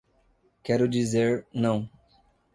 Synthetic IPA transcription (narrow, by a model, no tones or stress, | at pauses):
kɛɾʊd͡ʒizeɾnɐ̃w̃